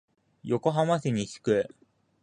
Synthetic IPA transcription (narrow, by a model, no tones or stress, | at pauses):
jo̞ko̞ɦamaɕiɲ̟iɕi̥kɯ̟